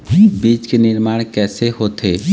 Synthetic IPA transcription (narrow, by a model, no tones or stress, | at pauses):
biːt͡ʃkenɪɾmaːɽ̃kɛːseɦot̪ʰe